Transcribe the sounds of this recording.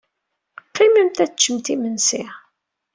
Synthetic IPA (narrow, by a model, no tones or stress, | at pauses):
qːimimt̪æt͡ʃːəmt̪imənsi